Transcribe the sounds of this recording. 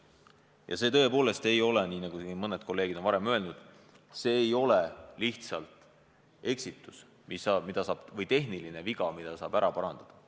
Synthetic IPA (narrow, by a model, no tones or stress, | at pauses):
jɑ̰se̞ːt̪ɤe̞po̞ːle̞st̪e̞jo̞leniːnɑɡ̥umɤned̪̥̚ko̞lːe̞ːɡ̥id̪onvɑɾe̞mø̞e̞lnud̪̥ | se̞ːjo̞leliht̪sɑlt̪ˑ | e̞ksit̪ːˑus | misɑmid̪ɑsɑːb̥vɤjt̪e̞ɦnilineviɡɑmid̪̥ɑsɑ̰ːb̥æɾɑpɑɾɑnd̪̥ɑd̪̥ɑ̥